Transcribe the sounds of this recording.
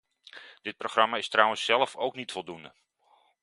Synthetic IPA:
d̥ɪt̚proχrɑmaːɪstrʌwənsːɛlˠəfowknitfɔlˠdundə

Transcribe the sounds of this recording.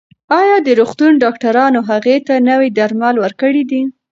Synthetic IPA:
ɑjɑd̪əɾoxt̪unɖɑkʈaɾɑnoɦaɣet̪anawid̪aɾmɑlwəɾkəɽid̪i

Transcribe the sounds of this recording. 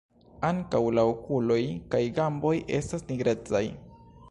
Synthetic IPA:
aŋkawlaokulo̞jkajɡambo̞jʔe̞̰stasniɡɾe̞t͡saj

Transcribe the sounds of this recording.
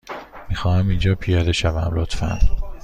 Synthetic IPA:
miːxɒːhæmind͡ʒɒːpʰijɒːd̪e̞ʃævæmlot̪fæ̰n

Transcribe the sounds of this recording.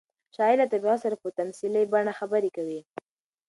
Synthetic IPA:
ʃɑɪlat̪abɣɑsaɾapət̪amsiləjbaɳaxabaɾekawi

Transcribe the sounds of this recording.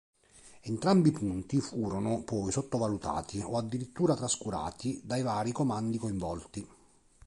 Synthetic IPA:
ent̪ɾambipunt̪ifuːɾonʊpɔjsot̪ːovalut̪a̰ːt̪ʰioad̪ːiɾit̪ːuːɾat̪ɾaskuɾa̰ːt̪id̪ajvaːɾikomand̪ikoiɱvɔlt̪i

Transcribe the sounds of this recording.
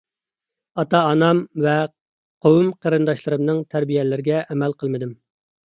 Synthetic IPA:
ɑt̪ɑːnɑmvɛ | qʰowumqʰəɾɨnd̪ɑʃlˠɨɾɨmnɨŋt̪ʰæɾbijɛlɪɾɪɡʲɛʔɛmælqʰəlˠmɨd̪ɪm

